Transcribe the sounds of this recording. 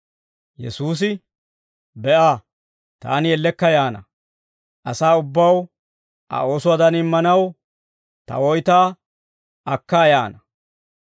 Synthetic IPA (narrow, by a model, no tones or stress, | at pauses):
jɛ̰suːs̬ɪ | bɛʔaː | t̪a̰ːnɪjɛlːɛkːɐjaːnɐ | ʔɐsaːʊbːɐw | ʔɐ̰o̞ːsʊwɐd̪ɐnɪmːɐnɐw | t̪ɐ̰wɔjt̪aː | ʔɐkːaːjaːnɐ